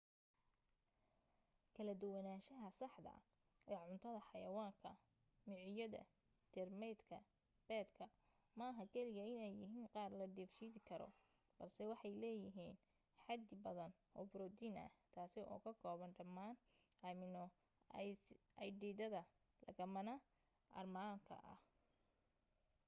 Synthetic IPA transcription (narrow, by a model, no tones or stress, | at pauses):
kʰɐlɐd̪ʊwɛnaːʃɐɦɐsɑħd̪ɐ̰ | ʔɛːʕʊnt̪ʰɐðɐħɑjɐwaːŋkʰɐ̰ | mɪʕɪjɐðɐ̰ | t̪ʰɛrmɛjd̪kʰɐ | b̥ɛːd̪kʰɐ | mɐɦɐkʰɛlɪɣɐɪnɛjːɪɦiːnqɑːrlɐɖift͡ʃiːðɪkʰɐɾɔ̰ | b̥ɐrsɛwɑħɑjlɛːjɪɦiːn | ħɑd̪ɪbɐðɐn | ɔːbɾɔd̪iːnɐ̰t̪ʰaːsɪʔɔ̰ːkʰɐkʰɔːβɐnɖɐmːaːn | ɐmɪnɔ | ɐjɖiːd̪ɐðɐ | lɐ̰ɣɐmɐnɐ | ʔɐ̰rmaːŋkʰɐ̰ʔɐ̰h